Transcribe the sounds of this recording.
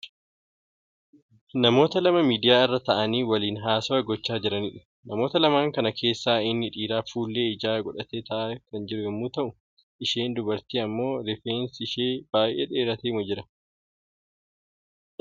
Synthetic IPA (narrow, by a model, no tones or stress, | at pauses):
nɐmo̞ːt̪ɐlɐmɐmiːd̪ɪjaːɪrːɐt̪ɐʔɐniːwɐliːnɦaːsɐwɐɡɔt͡ʃːaːd͡ʒɪɾɐniᶑʊ̥ | nɐmo̞ːt̪ɐlɐmaːŋkɐnɐkʰe̞ːsːaːɪnːɪᶑiːɾaːfuːlːe̞ːɪd͡ʒaːɡɔᶑɐt̪eːt̪ɐʔakɐnd͡ʒɪɾʊjɛmːuːt̪ɐʔʊ | ʔɪʃeːnd̪ʊbɐɾt̪iːɐmːo̞ːɾɪfeːnsɪʃeːb̥aːjʔḛːᶑeːɾɐt̪eːmʊd͡ʒɪɾɐ